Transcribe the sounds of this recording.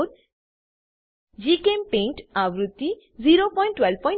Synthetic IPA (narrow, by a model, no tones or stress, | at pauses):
ɾ | d͡ʒikempẽɳʈawɾut̪ːi | ziɾopɔj̃ɳʈːwelpɔj̃ɳ